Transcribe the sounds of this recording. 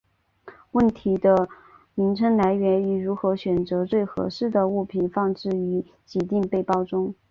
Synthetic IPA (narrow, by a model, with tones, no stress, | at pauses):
wə˥˩nt̪ʰi˧˥d̪ə˧ | mi˧˥ŋʈ͡ʂʰə˥ŋla˧˥ɪɥɛ˧˥ni˨˩ɻu˧˥xɤ˧˥ɕɥɛ˨˩nt͡sɤ˧˥t͡swe˥˩ɪxɤ̰˧˥ʂɻ̩˥˩d̪ə˩u˥˩pʰi˨˩nfɑ˥˧ŋʈ͡ʂɻ̩˥˩y˧˥ | t͡ɕi˧˥t̪i˥˧ŋpe˥˧ɪpɑ˥˧ʊʈ͡ʂʊ˥ŋ